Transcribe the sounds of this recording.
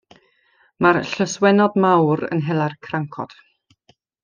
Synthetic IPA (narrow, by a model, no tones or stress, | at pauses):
marɬəswɛnɔdmawɾə̰nɦɛlˠarkʰraŋkʰɔ̰d̥